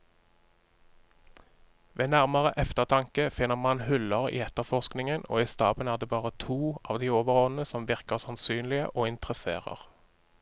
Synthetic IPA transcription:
ʋeːnæʁməʁəʔɛft̪əʁt̪ʰɑŋkəfɪnːəʁmɑnhʉlɑʁḭːɛt̪əʁfɔʁsknɪŋəno̰ːiːst̪ɑːbənæːʁd̪eːbɑːʁət̪ʰuːɑːʋd̪iːoːʋəʁoːd̪n̩əsɔmʋɪʁkəʁsɑnsyːnlɪə̰ʔoːɪnt̪ʁəsḛːʁə̰ʁ

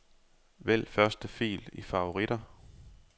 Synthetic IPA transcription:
ʋel̰fɶɐsd̥əfḭːlifɑ̈o̝ʁiɾ̥ɐ

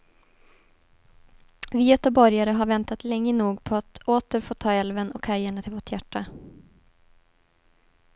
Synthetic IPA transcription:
viːɛt̪ɔbɔɾjaɾəɦaɾvɛnt̪at̪lɛŋːənuːɡpʰɔat̪oːt̪əɾfoːt̪ʰɑːɛlvənɔkʰæɾjəɳat̪ʰɪlvoːʈjæʈːa

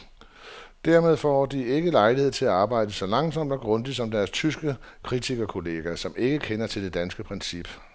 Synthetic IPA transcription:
d̥æɐme̝ðˠfɒd̥ie̝ɡ̥əlɑ̈ɪlihe̝ð̞̰ˠt͡sʰe̝læɑ̈ːb̥ɑ̈ɪ̰d̥əsɒ̽lɑ̈ŋsɒ̽m̰d̥ɒ̽ɡ̥ʁɔ̽ndisɒ̽md̥æɐst͡sʰysɡ̥əkʰʁit͡sʰiɡ̥ɐkʰo̝le̝ːɡ̥æsɒ̽me̝ɡ̥əkʰenɐt͡sʰe̝ld̥e̝d̥ænsɡ̥əpʰʁɛnsib̥

